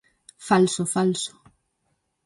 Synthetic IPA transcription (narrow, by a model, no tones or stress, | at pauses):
falsofalso̥